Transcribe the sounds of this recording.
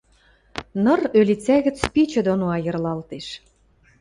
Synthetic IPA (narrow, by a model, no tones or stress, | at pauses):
nɤ̆rølit͡sæɣə̆t͡spit͡ɕə̆d̪onoɑjə̆rlɑlt̪eʃ